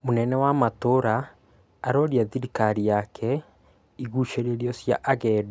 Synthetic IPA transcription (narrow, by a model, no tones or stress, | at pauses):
monɛnɛwamatoɾaː | ɾɔɾiaðiɾikaɾijakʰɛ | iɣuʃeɾeɾjɔsja̰ʔaɣɛdu